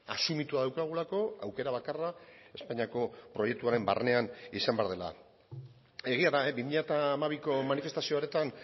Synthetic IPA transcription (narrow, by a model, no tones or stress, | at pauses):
a̰sumit̪uaðawkaɣ̞ulako̞awke̞ɾaβ̞akarae̞spaɲiako̞pɾo̞je̞k̚t̪uaɾe̞mba̰rne̞anisambe̞aɾðe̞la̰ | e̞ɣiaðaebimiʎat̪aːmaβiko̞manife̞st̪asio̞aɾe̞t̪an